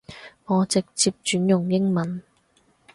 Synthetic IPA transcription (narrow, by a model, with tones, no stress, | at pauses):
ŋɔː˨˧t͡sɪ˨k̚t͡siː˧p̚t͡ʃyː˨˥njʊ˨˩ŋjɪ˥ŋmɐ˨˦n